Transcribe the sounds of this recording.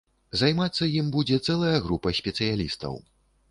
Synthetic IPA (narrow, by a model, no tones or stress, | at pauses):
zajmat̪sːɐjimbud͡zʲɛt̪sɛlˠɐjɐɣɾupɐsʲpʲɛt̪sɨjalʲḭst̪ɐ̰w